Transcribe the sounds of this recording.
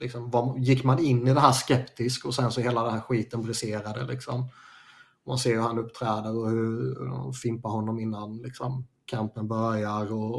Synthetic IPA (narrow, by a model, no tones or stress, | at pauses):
lɪksɔmvajɪkːmanɪnːɪd̪ɛɦæːʂkɛpt̪ɪskɔsɛnsɔheːlad̪ɛnhæːɾɧiːt̪ənbɾɪseːɾad̪ə̰lɪksɔm | ma̰nseːɾhɵɾhanɵpːt̪ʰɾɛːd̪əɾɔhɵɾdɔ̰nfɪmpaɾhɔnːɔmɪnːanlɪksɔmkʰampənbœɾjaɾɔ